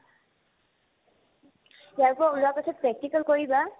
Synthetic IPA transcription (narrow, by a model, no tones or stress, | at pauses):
jaɹkʊulʊapasʰɔt̚pɹɛk̚tikəlkoɹiba